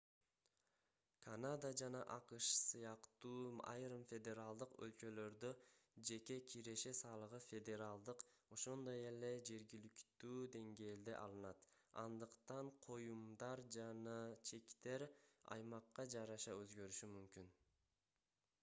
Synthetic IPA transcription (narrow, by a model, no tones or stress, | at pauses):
kʰanad̪ad͡ʒɑnɑʔɑqɯʃsɯjɑqt̪uːɑ̰jɾɯmfʲe̞d̪ʲe̞ɾalˠd̪ɯqø̞̰lt͡ʃø̞lø̞ɾd̪ød͡ʒe̞kʲe̞kʲʰiɾe̞ʃe̞sɑːlˠɯʁɯfʲe̞d̪e̞ɾalˠd̪ɯqo̞ʃo̞nd̪o̞je̞le̞d͡ʒe̞ɾɡilykt̪yːd̪e̞ŋɡe̞ːld̪eʔɑlˠɯnɑt̪ | ɑ̰nd̪ɯqt̪ɑɴqʰo̞jumd̪ɑɾd͡ʒɑnɑt͡ʃʰe̞kt̪e̞ɾɑ̰jmɑqːɑd͡ʒɑɾɑʃɑøzɡø̞ɾyʃymymkʲyn